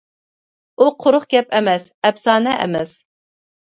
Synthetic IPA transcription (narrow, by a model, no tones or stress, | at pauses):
uqʰʊɾʊχɡʲɛpɛmɛsɛpsɑːnɛʔɛ̰mɛs